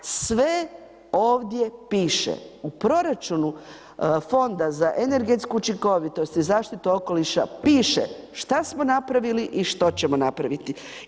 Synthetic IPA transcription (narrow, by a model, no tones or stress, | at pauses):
sʋe̞ | o̞ːʋd̪je̞piːʃḛupɾo̞ɾat͡ʃunu | fo̞nd̪azaʔene̞ɾɡe̞t̪skuːt͡ʃiŋko̞ʋit̪o̞st̪izaːʃt̪it̪uo̞ko̞liʃa̰piːʃḛ | ʃt̪asmo̞napɾaʋiliʔiʃt̪ot͡ɕemo̞napɾaʋit̪i